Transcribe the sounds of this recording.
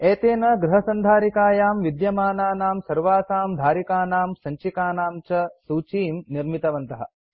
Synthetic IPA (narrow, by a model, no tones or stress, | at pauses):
eːt̪eːnɐɡɾɐɦɐsɐnd̪ʱaːɾikaːjaːmʋid̪jɐmaːnaːnaːmsɐɾʋaːsaːmd̪ʱaːɾikaːnaːmsɐɲt͡ʃikaːnaːmt͡ʃɐsuːt͡ʃiːmniɾmit̪ɐʋɐnt̪ɐɦɐ̰̆